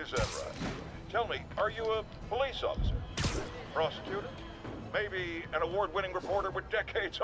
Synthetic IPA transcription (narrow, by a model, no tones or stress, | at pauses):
ɨzɛvɹa̰ɪt | tʰɛlˠmi | ə˞jɨə | pʰəlisɔ̰fəsə̰˞ | pʰɹ̥ɑsɨ̥kʰj̥ʉɾə˞ | meɪbiɨ̃nəwɔɹd̚wɪ̃ɾ̃ɪ̃ŋɹɨpʰɔɹɾə˞wɨðdɛkʰeɪdz̥